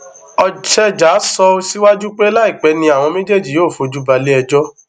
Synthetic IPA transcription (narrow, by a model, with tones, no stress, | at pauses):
ɔ˧ʃɛ˦d͡ʒa˨˦sɔ˧˦si˦wa˦d͡ʒu˦k͡pe˦la˦i˦˨k͡pɛ˨˦nĩ˧a˨w̃ɔ̃˧mẽ˦d͡ʒe˦˨d͡ʒi˨joː˦˨fo˧˨d͡ʒu˦ba˧le˦ɛ˧d͡ʒɔ˦